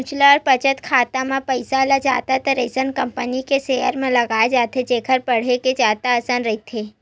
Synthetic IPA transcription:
t͡ʃlaɾpət͡ʃət̪kʰaːt̪amãpəjsalad͡ʒa̰ːt̪at̪əɾesənkəmpənikesejə̰ɾmãləɡaːed͡ʒat̪ʰed͡ʒekʰəɾpəɽ̤eked͡ʒaːt̪aəsanɾəɦit̪ʰe

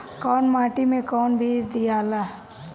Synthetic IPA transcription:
kɔːnmaːʈimẽkɔːnbʱiːɾd̪ijaːlaː

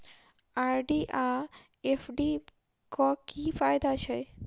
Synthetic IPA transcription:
aɾɖiʔa | efʰɖi | kɔkifajd̪at͡ʃaj

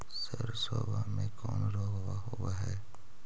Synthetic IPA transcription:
səɾsoːbʱamẽkɔːnɾoːɡʋaɦoːʋaɦɛː

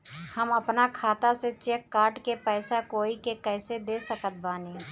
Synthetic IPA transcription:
həməpnakʰaːt̪aset͡ʃeːkːaːɾʈkepɛːsakoːikekɛːsed̪eːsəkət̪̚baːneː

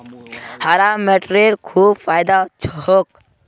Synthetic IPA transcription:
haɾameʈɾeɽkʰuːbfaːjd̪at͡ʃʰoɦok

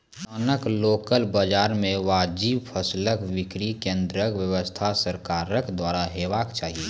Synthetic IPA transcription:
ənəkloːkəlbəd͡ʒaːɾmẽʋaːd͡ʒiːbpʰəsləkʋɪkɾikẽːnd̪ɾəkwjəwəst̪ʰasəɾkaːɾəkd̪waːɾaɦeːʋaːkt͡ʃaːɦie

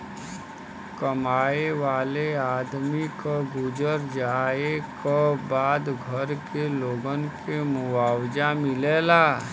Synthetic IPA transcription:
kəmaːeʋaːleaːd̪mikaɡʊd͡ʒəɾd͡ʒaːekabaːd̪ɡʱəɾkeloːɡənkemʊwaːwd͡ʒamɪleːlaː

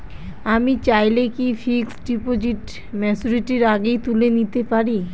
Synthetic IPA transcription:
amit͡ɕajlekifʰiksɖipod͡ʑiʈ | mɛt͡ɕuɾiʈiɾaɡejt̪ulenit̪epaɾi

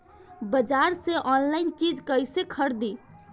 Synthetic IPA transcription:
bəd͡ʒaɾseʔɔnlaɪnt͡ʃid͡ʒkəjsekʰəɾd̪i

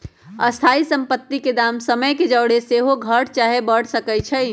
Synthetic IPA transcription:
əst̪ʰaisəmpət̪ːiked̪amsəməjked͡ʒəwɽeseɦoɡʱəɽʰt͡ʃaɦebəɽ̤səkɛjt͡ʃʰəj

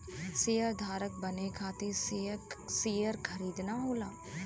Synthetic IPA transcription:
sejəɾd̪ʱaːɾək̚bɐnekʰaːt̪esseːjəɾkʰɐɾiːd̪naɦoːlaː

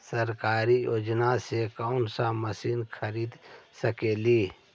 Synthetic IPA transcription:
sɐɾkaːɾijod͡ʒnasekaʊnsaməsiːnkʰəɾiːd̪səkeliː

